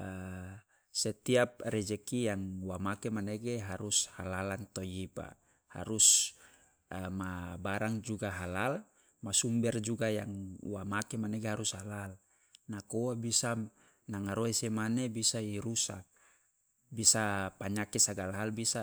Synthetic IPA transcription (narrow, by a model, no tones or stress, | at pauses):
ə | sɛt̪iap̚rɛd͡ʒɛkijaŋwamakemaneɡeɦaɾushalalant̪ojipa̰ | ha̰ɾus | mabaɾaŋd͡ʒuɡaɦalal | masumbɛrd͡ʒuɡajaŋwamakemaneɡeɦaɾushalal | nakowabisa | naŋaɾoesemanebisaiɾusak̚ | bisapaɲakesaɡalaɦalbisa